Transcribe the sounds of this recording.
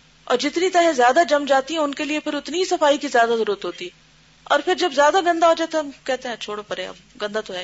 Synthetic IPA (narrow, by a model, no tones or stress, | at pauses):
ɔ̰ːɾd͡ʒɪt̪nit̪ɛɦɛzjaːd̪ad͡ʒɐmd͡ʒaːt̪iɦɛ̃ʊnkeliepɪɾʊt̪niisɐfaːikizjaːd̪azɐɾuːɾət̪ɦoːt̪iɛ | ɔ̰ːɾfɪɾd͡ʒɐbzjaːd̪aɡɐ̃nd̪aɦoːd͡ʒaːet̪okɛɦt̪eɦɛ̃t͡ʃʰoːɽopɐɾeɐ̰b | ɡɐ̃nd̪at̪oɦɛː